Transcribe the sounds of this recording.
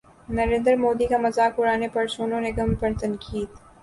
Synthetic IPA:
nɐɾẽːnd̪əɾmoːd̪ikamɐzaːkʊɾaːnepɐɾsoːnõneɡɐmpɐɾt̪ɐnkʰiːd̪

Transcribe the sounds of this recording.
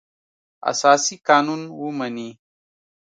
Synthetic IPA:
ɐ̰saːsikaːnunwumɐni

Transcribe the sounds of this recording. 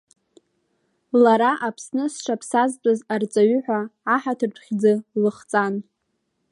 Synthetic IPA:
laɾaʔapʰsnɨsʂapʰsazt͡sʼazart͡sʼaɥʏħʷᶣaːħatʰɨrʈ͡ʂʷʰχʲd͡zɨlɨχt͡sʼan

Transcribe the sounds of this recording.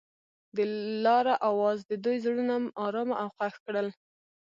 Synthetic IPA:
d̪əlɑɾaʔawɑzd̪əd̪ujzɽunamɑɾɑmaʔawqaxkɽəl

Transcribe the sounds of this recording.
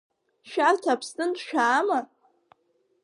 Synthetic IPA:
ʃᶣartʰapʰstʼɨntʼʃᶣaːma

